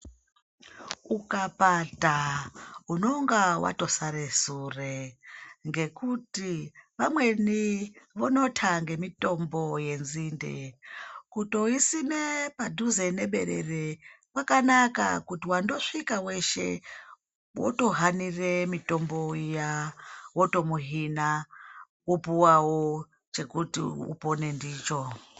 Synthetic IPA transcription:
ukapata | uno̞ŋɡawa̰to̞saɾesure | ŋɡe̞kutiʋamwe̞niʋono̞tʰaŋɡe̞mito̞mbo̞je̞nzindḛkuto̞isine̞padʱuze̞ne̞ɓe̞̰ɾe̞̰re̞wakanaka̰kutiwando̞ʂikawe̞ʃe̞̰ | wo̰to̞ɦaniremito̞mbo̞ijawoto̞muɦina | upuwawo | t͡ʃe̞kutḭṵpo̞ne̞ndiːt͡ʃo̞

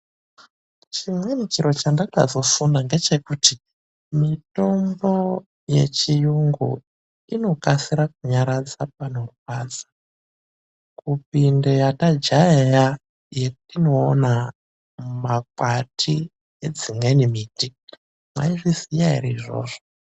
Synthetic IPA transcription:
t͡ʃimwenikiɾo̞t͡ʃandaka̰zo̞funaŋɡe̞t͡ʃe̞kuti | mito̞mbo̞ | je̞̰t͡ʃijuŋɡṵ | ino̞kasiɾak̚uɲaɾad͡zap̚ano̞rukaːd͡zḁ | kupindo̞jatad͡ʒaeja | jekutino̞ːna | makwatʰi | ed͡zimwe̞nimiːti | mwa̰iʐizijaḭriːʐo̞̰ːʐo

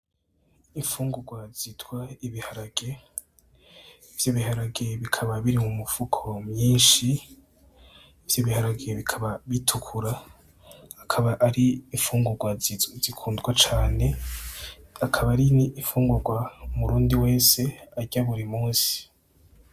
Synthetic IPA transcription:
iɱfuːŋɡuɾɡwazitwaiβihaɾaɡ̥e̞ | v̥joβiɦaɾaɡe̞βikʰaβaβiɾimumufukʰo̞mɲiːnʃi | vjoβihaɾaɡe̞βikʰaβaβitʰukʰuɾaː | kʰaβaʔaɾiːɱfuːŋɡuɾɡwazizikʰuːndɡwat͡ʃaːne̞ | akʰaβaɾiniːɱfuːŋɡuɡwamuɾuːndiwe̞ːse̞aɟaβuɾimuːnsi̥

